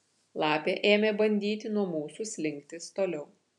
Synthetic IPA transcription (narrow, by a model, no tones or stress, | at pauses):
lˠɑːpʲeːʔeːmʲebɐnʲd̪ʲiːt̪ʲɪnuɔmuːsʊsʲlʲɪŋʲk̚t̪ʲɪst̪oːlʲɛʊ